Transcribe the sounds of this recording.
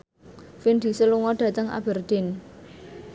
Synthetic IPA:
find̪̥i̤səluŋɔɖ̥ä̤t̪əŋa̰b̥ə̤rd̪̥e̤n

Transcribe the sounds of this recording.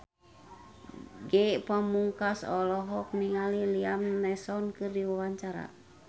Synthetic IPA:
ɡɛpəmuŋkasɔ̰lɔɦɔk̚niŋaliliamnɛsɔnkɨrdiwawaɲt͡ʃaɾa̰

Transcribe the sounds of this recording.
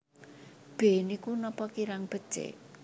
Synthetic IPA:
b̥enikunɔpɔkiɾaŋb̥ə̤t͡ʃḛ

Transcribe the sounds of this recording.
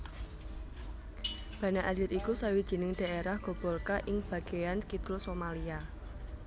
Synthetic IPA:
b̥ä̤naʔalɪɾikusawid̥ʒ̥i̤nɪŋd̪̥a̤ʔeɾahɡ̥o̤b̥ɔlkaʔɪŋb̥ä̤ɡ̥e̤jankit̪ɾosomalia

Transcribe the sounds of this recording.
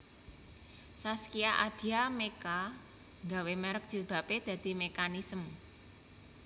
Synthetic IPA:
saskiaʔad̪̥i̤ameka | ŋɡawemɛɾək̚d̥i̤b̥a̤ped̪̥ä̤d̪̥i̤mekanisəm

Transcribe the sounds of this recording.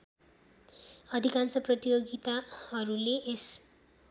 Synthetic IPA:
ʌd̪ʱikansʌprʌt̪ijoɡit̪ahʌɾuleʔes

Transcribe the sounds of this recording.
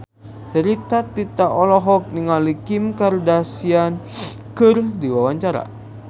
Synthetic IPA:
t͡ʃəɾit̪at̪it̪aʔɔlɔɦɔk̚niŋalikimkardasian | kɨrdiwawaɲt͡ʃaɾa̰

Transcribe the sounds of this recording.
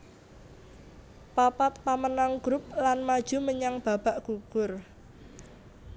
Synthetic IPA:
papat̪̚pamənaŋɡ̥ɾʊp̚lanmad̥ʒ̥ṳməɲaŋb̥a̤b̥aʔɡ̥uɡ̥ʊr

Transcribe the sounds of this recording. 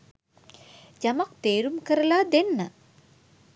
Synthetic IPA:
d͡ʒamak̚t̪eːɾumkəɾəlad̪enːə

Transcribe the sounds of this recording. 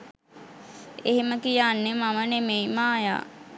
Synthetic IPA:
eɦiməkijaːnːemamənemejmaːja̰ː

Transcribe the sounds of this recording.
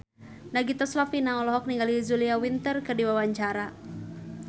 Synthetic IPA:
naɡit̪ɔslafinaŋɔlɔɦɔk̚niŋɡalizuliawint̪ərkərdiwawaɲt͡ʃaɾa

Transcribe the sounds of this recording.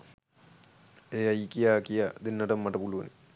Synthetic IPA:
eːɐjkːijaːkijad̪inːɐʈɐmːɐʈɐpuluʋɐni

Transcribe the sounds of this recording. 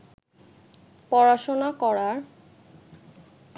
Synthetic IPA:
pɔɾaʃonakɔɾaɾ

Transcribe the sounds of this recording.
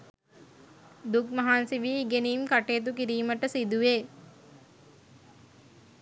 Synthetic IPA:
d̪ukmɐɦaːnsiʋiːɡeniːmkaʈeːt̪̬ukiɾiːməʈəsid̪uʋeː

